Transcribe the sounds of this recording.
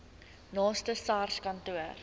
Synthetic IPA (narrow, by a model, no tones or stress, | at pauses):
nɑːstəsɑːrskɐntuər